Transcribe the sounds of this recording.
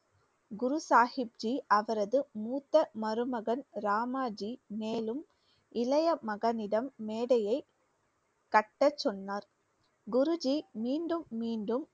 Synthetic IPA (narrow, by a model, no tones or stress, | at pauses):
ɡʊɾusaːhɪp̚d͡ʒiɐʋɐɾɐðɯmuːt̪ːɐmɐɾɯmɐɣɐnɾaːmaːd͡ʒimeːlɯm | ʔɪlɐjɐmɐɣɐnɪɽɐmːeːɽɐjɐɪ | kɐʈːɐt͡ʃːɔnːaːɾ | ɡʊɾʊd͡ʒimiːɳɖɯmːiːɳɖɯm